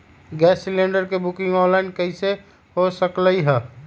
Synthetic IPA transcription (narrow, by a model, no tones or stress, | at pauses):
ɡɛːsːilẽɳɖəɾkebukɪ̃ŋɡɔ̃ːnlaɪnkəise | ɦosəkləiɦɛː